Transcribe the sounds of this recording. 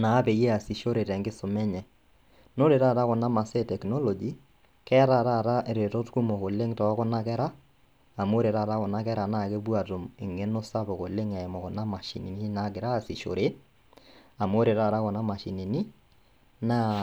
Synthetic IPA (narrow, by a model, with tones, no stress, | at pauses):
na˨˦pɛ˨je˦a˨si˨ʃo˦ɾe˨ɾɛ˨ŋɡɪ˦sʊ˨mɛ˦ɲɛ˨ | no˦ɾe˨ɾa˦˨ɾa˦kɔ˨na˦ma˨sɛ˦tɛ˨knɔ˦lɔ˨d͡ʒi˨ | kɛ˦ɾa˦˨ɾa˦˨ɾa˦ʔɾe˨tɔ˦tku˦mo˨ko˨le˦ŋtɔ˨˦kɔ˦na˦kɛ˦ɾaː˦˨ | mo˦ɾe˨ɾa˦˨ɾa˦kɔ˨na˦kɛ˦ɾa˨na˦˨ke˦bwa˨to˨mɪ̰˨ŋe˦no˦sa˦bɔ˨ko˨le˦ŋɛ˨mɔ˨kɔ˨na˦ma˨ʃḭ˨ni˨ni˦na˨˦kɪ˨ɾa˦˨si˨ʃo̰˨ɾe˦ | a˨mo˦ɾe˨ɾa˦˨ɾa˦kɔ˨na˦ma˨ʃi˨ni˨ni˦ | na˦